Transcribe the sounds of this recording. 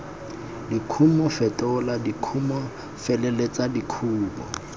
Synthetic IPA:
dikʰumɔfɛtʼɛʊladikʰumɔ | fɛlɛlet͡sʼadikʰuːbɔ̰

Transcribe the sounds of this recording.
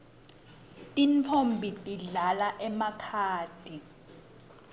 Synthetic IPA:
tʼint͡fʰombʱitʼiɮalaʔɛmakʰaːd̥ʱi

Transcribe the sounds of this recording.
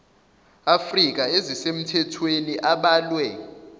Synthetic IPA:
afrik̬ʼaezisem̩tʰɛtʰweniʔaɓaːlwɛ

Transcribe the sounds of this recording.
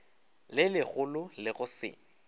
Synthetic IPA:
lɪlɪɣʊlʊlɪɣʊsɪ̰ːŋ̩

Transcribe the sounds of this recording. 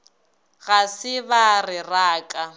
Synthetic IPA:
ɣasɪβarɪraːkʼa

